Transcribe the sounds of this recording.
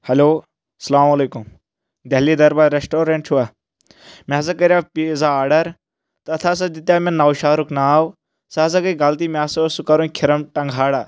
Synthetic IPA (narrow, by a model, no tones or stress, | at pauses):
hɐloː | sɐlaːmɐleːkum | d̪ɐɦliːd̪ɐɾbaɾesʈoːɾẽɳʈt͡ʃʰuaː | maːs̬ɐkɐɾjapizaːɾɖɐɾ | t̪ɐt̪ʰaːs̬ɐd̪it̪jaːmɐnnːɐwʃaːɾuknaːw | saːs̬ɐkɐiɡɐlt̪iːmʲaːsɐsukɐɾunkʰɪɾɐmʈɐŋɡʱaːɽaː